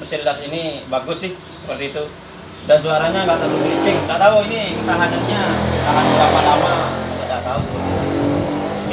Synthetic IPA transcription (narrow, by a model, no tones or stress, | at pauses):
bərsililasinibaɡʊsɪh | səpərt̪iːt̪u | dansuaɾaɲaŋɡaʔt̪alubiɾit͡ʃɪŋdaʔt̪auinikət̪aɦanat̪̚ɲataɦanlamalamaaadaʔt̪auu